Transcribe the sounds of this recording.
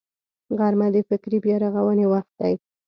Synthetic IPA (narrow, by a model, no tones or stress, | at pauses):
ɣaɾmad̪əfɪkɾibjɑɾaɣawənewaxt̪̚d̪aj